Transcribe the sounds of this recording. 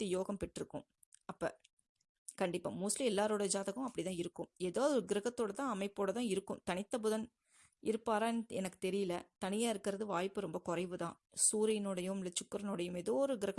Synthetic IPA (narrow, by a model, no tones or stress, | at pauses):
t̪ːɯjoːɣɐmpɛʈːɾɯkːʊ̰̃m | ɐpːɐ̰ː | kɐɳɖɪpːa̰ːmuːslĩɛlːaːɾoːɽɐd͡ʒaːðɐɣʊ̃mɐpːɐɽɪt̪ãːɪɾɯkːɯmɛðaːðɾɯɡɪɾɐɣɐt̪ːoːɽɐt̪ãːɐmɐɪpːoːɽɐt̪ãːɪɾɯkːɯ̃mt̪ɐnɪt̪ːɐpʊðɐn | ɪɾɯpːaːɾaːnɛnɐkːɯ̥t̪ɛɾɪjɪlɐt̪ɐnɪjaːɪɾɯkːɪɾɐðɯʋaːjpːɯɾɔmbɐkʊrɐɪʋɯt̪ãː | suːɾɐjnɔːɽɐjɯmlɐt͡ʃːʊkːɯɾɐnoːɽɐjɯmɛðoːɾɯɡɪɾɐɣ